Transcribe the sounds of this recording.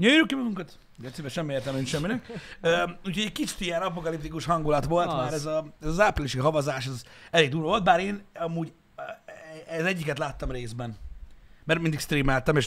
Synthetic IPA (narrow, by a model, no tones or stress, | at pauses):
jojiɾukːimɒɡuŋkɒt̪ | d̪ɛt̪sibɛʃɛmːieːrt̪ɛmeinʃɛmːinɛkøuːcho̞ɟɛc̚kit͡ʃi̥t̪ijɛnɒp̬o̞kɒlipt̪ikuʃɦɒŋɡulɒt̪ʋo̞ltt̪maːɾɛzɒɛzɒzaːpriliʃiɦɒvɒzaːʃɛzɛleːɡd̪uːɾvo̞ld̪̚baːɾeːnɒmuːɟ | ɛzɛɟːikɛt̪laːt̪ːɒmreːzbɛnmɛɾmind̪ikst̪ɾiːmɛlt̪ɛmeːʃ